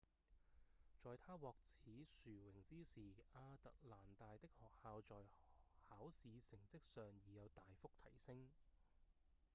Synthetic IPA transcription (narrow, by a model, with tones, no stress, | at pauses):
t͡sɔː˨˧jt̪ʰaː˥wɔː˨k̚t͡sʰiː˨˥syː˨˩wɪ˨˩ŋt͡siː˥siː˨˩aː˧t̪ɐ˨k̚laː˨˩nt̪aː˨jt̪ɪ˥k̚hɔː˨k̚haː˧wt͡sɔː˨jhaː˨˥wsiː˨˧sɪ˨˩ŋt͡sɪ˥k̚sœː˨ŋjiː˨jɐ˨˧wt̪aː˨jfʊ˥k̚t̪ʰɐ˨˩jsɪ˥ŋ